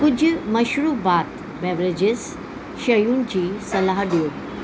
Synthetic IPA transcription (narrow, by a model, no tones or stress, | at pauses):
kʊd͡ʑmɐʃɾuːbaːt̪ | bɛʋɾed͡ʑɪs | ʃɐjuːnd͡ʑiːsɐlaːɦɖijoː